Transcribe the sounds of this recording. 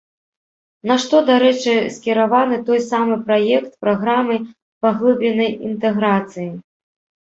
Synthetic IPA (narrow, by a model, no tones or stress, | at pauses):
naʂt̪ɔd̪aɾɛt͡ʂɨsʲkʲɛɾavanɨt̪ɔjsamɨpɾajɛkt̪̚pɾaɣɾamɨ | paɣlˠɨbʲlʲɛnɐjḭnt̪ɛɣɾat̪sɨji